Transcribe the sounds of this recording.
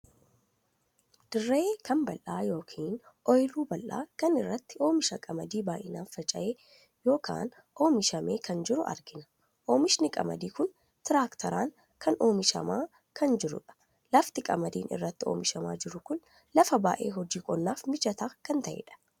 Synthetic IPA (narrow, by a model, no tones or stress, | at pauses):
d̪̥ɪrːeːkʰɐmbɐlʔaːjo̞ːkʰiːnʔɔjluːbɐlʔa̰ːkɐnɪrːɐt̪ːɪo̞ːmɪʃɐkʼɐmɐd̪iːbaːʔɪnaːnfɐt͡ʃʼɐ̰ʔeː | jo̞ːkʰa̰ːn | ʔo̞ːmɪʃɐmeːkʰɐnd͡ʒɪɾʊɐ̰ɾɡɪnɐ̥ | ʔoːmɪʃnɪkʼɐ̰mɐ̰d̪iːkʊn | t̪ɪɾaːkt̪ʰɐɾaːŋ | kʰɐno̞ːmɪʃɐ̰maː | kʰɐnd͡ʒɪɾʊ̰ᶑɐ̥ | lɐft̪ɪkʼɐmɐd̪iːnʔɪ̰rːɐt̪ːɪo̞̰ːmɪʃɐma̰ːd͡ʒɪɾʊkʊn | lɐfɐba̰ːʔe̞̰ːɦɔd͡ʒiːkʼɔnːaːfmɪt͡ʃɐt̪aːkɐnt̪ɐʔḛːᶑɐ̥